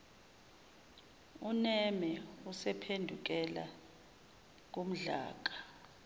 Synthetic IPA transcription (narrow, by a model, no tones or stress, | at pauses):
unɛmɛusɛpʰendʱuk̬ɛla̰ | k̬om̩ɮa̰ːk̬ʼḁ